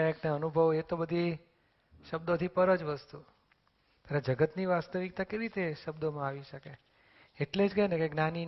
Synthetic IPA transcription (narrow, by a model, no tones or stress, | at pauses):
ajəkneənubʱəʋet̪obəd̪ʱi | ʃəb̚d̪ot̪ʰipəɾəd͡ʒʋəst̪u | t̪jaɾed͡ʒəɡət̪niʋast̪əʋik̚t̪akəjɾit̪eʃəbd̪omãaʋiʃəke | eʈled͡ʒɡəjnekeɡnani